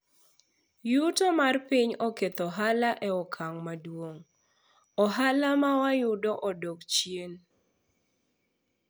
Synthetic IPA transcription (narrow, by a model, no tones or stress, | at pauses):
jutɔmarpiɲɔket̪ɔɦalaʔɛɔkʰaŋmadwoŋ | ɔɦalamawajʊdɔʔɔdokt͡ʃjen